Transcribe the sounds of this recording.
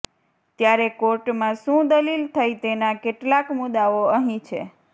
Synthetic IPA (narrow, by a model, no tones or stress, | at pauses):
t̪jaɾekoɾʈmãʃũd̪əlilt̪ʰajt̪enakeʈlakmʊd̪aoəɦĩt͡ʃʰḛ